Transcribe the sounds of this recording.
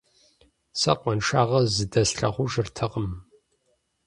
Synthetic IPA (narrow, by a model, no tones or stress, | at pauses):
sɐ̰qʷɔnʂaːʁɐzɨdɐsɬɐχʷʊʒɨrtʰɐqəm